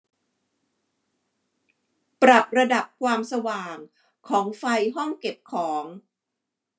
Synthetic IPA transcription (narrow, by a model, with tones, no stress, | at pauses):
pɾa˨˩p̚ɾa˧da˨˩p̚kʰwaː˧msa˧waː˨˩ŋ | kʰɔː˩˦ŋfa˧jɦɔ˥˩ŋke˨˩p̚kʰɔː˩˦ŋ